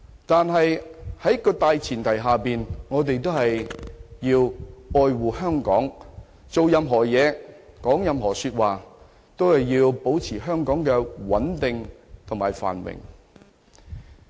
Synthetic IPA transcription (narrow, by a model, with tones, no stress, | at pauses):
t̪aː˨nɦɐ˨jhɐ˨˥jkːɔː˧t̪aː˨˧jt͡sʰiː˨˩nt̪ʰɐ˨˩jɦaː˨piː˨nŋɔː˨˧t̪e˨˧jt̪o˥whɐ˨jjiː˧wɔː˨˧jwuː˨hœː˥ŋkɔ̰ː˨˥ŋ | t͡so˨wjɐ˨˧mɦɔː˨˩jɛː˨˧kɔː˨˥ŋjɐ˨˧mɦɔː˨˩syː˧t̚waː˨˩ | t̪o˥whɐ˨jːiː˧wpo˨˥wt͡sʰiː˨˩ɦœː˥ŋkɔː˨˥ŋkɛː˧wɐ˨˥nt̪ɪ˨ŋt̪ʰʊ˨˩maː˨˩jfa̰ː˨nwɪ̰˨˩ŋ